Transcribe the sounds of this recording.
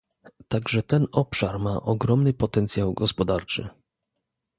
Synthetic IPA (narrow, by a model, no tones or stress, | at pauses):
t̪aɡʐɛt̪ɛnɔpʂaɾmaʔɔɡɾɔmnɘpɔt̪ɛnt̪sʲjawɡɔspɔd̪aɾt͡ʂɘ̰